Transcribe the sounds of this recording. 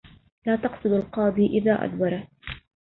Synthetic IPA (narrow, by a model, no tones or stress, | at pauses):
laːt̪ɑqsˤɨd̪alqɑːd̪ˤiːʔɪðaːʔa̰d̪wɑɾˤɑ